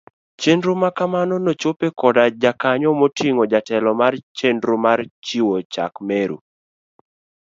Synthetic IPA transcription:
t͡ʃendɾomakamanɔnot͡ʃopekɔdad͡ʒakaɲɔmotiŋɔd͡ʒatɛlɔmart͡ʃendɾomart͡ʃiwot͡ʃa̰kmeɾṵ

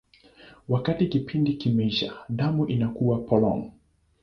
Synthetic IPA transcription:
wakatikipʰindikimɛiʃaɗamuʔinakuwapɔlɔ̰ŋ

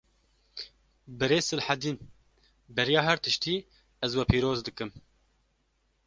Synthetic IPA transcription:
bɨɾeːsɨlħad̪iːn | bɛɾijɑːɦɛɾt̪ɨʃt̪iː | ɛzwɛpʰiːɾoːzd̪ɨkɨm

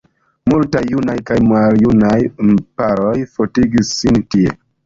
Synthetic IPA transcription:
multajːunajkajmaljunajmpaɾojfotiɡisːintiḛ

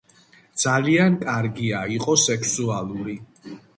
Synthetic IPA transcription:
d̪z̥aliankʼaɾɡiaiqʼɔsɛkʰsualˠuɾi

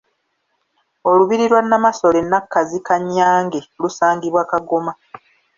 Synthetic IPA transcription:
o̞luβiɾiɾwanːamaso̞le̞nːakːazikaɲːaːŋɡelusaːŋɡiβwaːkaɡoma

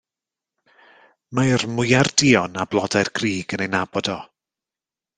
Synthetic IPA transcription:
marmʊjardiɔnablˠɔdajrɡriːɡ̥ənejnabɔdɔ

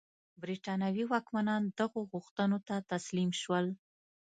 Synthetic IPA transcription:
bɾiʈɑnawiwɑkmanɑnd̪aɣoɣʊxt̪ənot̪at̪aslimʃwəl

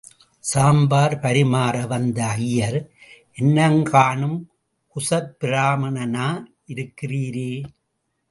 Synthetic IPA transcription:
saːmbaːɾpɐɾɪmaːɾɐʋɐnd̪ɐɐjːɐɾʔɛnːɐŋkaːɳɯm | kʊsɐɾpɪɾaːmɐnɐnaː | ɪɾɯkːɪriːɾeː

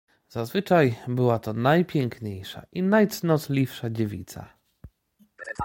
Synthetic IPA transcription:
z̥azvɘt͡ʂajbɘwat̪ɔnajpʲjɛŋkɲejʂa̰ʔinajt̪snɔt̪lʲifʂad͡ʑevʲḭt̪sa̰

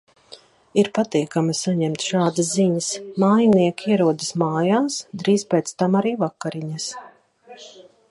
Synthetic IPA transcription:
iɾpat̪iːkamasaɲɛmt̪ʃaːd̪əsziɲəsmaːjaniɛkʲiɛɾuɔd̪ɨsmaːjaːsd̪ɾiːzpʲɛːt̪st̪amaɾiːvakːaɾiɲas

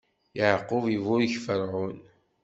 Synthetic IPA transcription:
jəʕqːʊvivʊɾçfəɾʕʊn

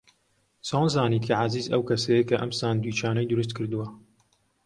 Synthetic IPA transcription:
soːnzɑːniːt̪kʰaʕaziːzɐwkʰɐsɛjekɐʔɐmsaːnd̪wiːt͡ʃaːnɐjd̪ʊɾɨs̬t̪̚kʰɨɾd̪ɨwɐ

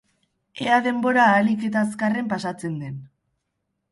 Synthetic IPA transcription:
eaðe̞mbo̞ɾaːlike̞t̪askare̞mpasat͡se̞nd̪e̞n

